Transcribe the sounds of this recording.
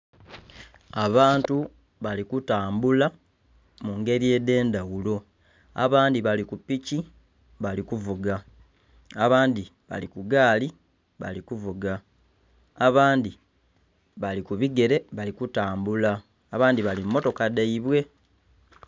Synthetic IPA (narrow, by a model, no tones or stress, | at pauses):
aβaːntu | βalikutaːmbula | muŋɡe̞ɾie̞de̞ːndawulo̞ | a̰βaːndiβalikupːici | βalikuvuɡa | aβaːndi | βa̰likuɡaːli | βa̰likuvuɡaː | βaːndi | βalikuβiɡe̞ɾe̞βalikutaːmbulaː | βaːndiβalimmːo̞to̞kadaiβwe̞